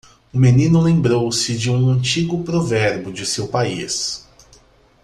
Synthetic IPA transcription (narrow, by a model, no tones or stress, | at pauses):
ʊmenĩnʊlẽmbɾowsɪd͡ʒɪũɐ̃nt͡ʃiɡʊpɾovɛɾbʊd͡ʒɪsewpaḭs